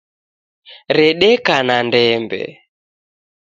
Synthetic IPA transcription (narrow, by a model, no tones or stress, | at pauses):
ɾɛɗɛkanandɛmbɛ̰